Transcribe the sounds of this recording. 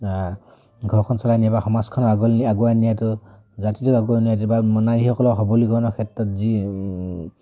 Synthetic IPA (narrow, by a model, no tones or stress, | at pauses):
ɡʱɔɹkʰɔnsalajniabaxɔmaskʰɔnɔaɡɔaɡuanijatɔ | zatituaɡuanijatubamɔnajihɔkɔlɔɦɔbɔlikɔɹɔnɔkʰɛtɹɔtzi